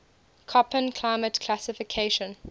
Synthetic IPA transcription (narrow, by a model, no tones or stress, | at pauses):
kʰɔpə̃nkʰl̥aɪmətkʰlasɪfɪkʰeɪʃə̃n